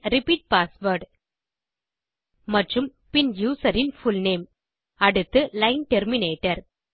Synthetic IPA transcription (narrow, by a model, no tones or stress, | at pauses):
ɾɪpiːʈ̚paːsʋɐɾɖ | mɐʈrɯm | pɪnjuːsɐɾɪnfʊlneːm | ɐɽɯt̪ːɯlɐɪnʈɛɾmɪneːʈːɐɾ